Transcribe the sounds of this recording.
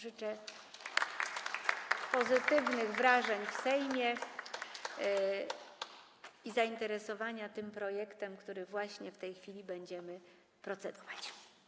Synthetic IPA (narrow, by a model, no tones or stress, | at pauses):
ʐɘt͡ʂɛ | pɔzɘt̪ɘvnɘɣvɾaʐɛɲfsɛjmʲɛ | izaint̪ɛɾɛsɔvaɲat̪ɘmpɾɔjɛkt̪ɛmkt̪uɾɘvwaɕɲɛft̪ɛjxfʲilʲibɛɲd͡ʑɛmɘ | pɾɔt̪sɛd̪ɔ̥vat͡ɕ